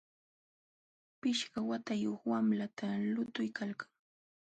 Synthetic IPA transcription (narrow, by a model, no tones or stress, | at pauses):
pɪʃɢawat̪ajoχwamlat̪ʰalʊt̪ʊjkalkḁŋ